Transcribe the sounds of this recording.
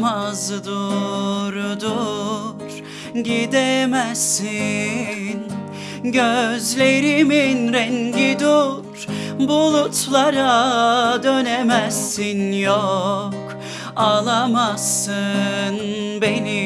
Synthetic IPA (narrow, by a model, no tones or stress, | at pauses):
mazd̪uɾud̪u | ɾ̥ | ɟid̪ɛmɛsi | n | ɟøzlʲe̞ɾiminɾɛɲɟid̪uɾɾ̥bulˠut̪lˠaɾad̪ønemɛsːinjɔk | alˠamasɯnbeni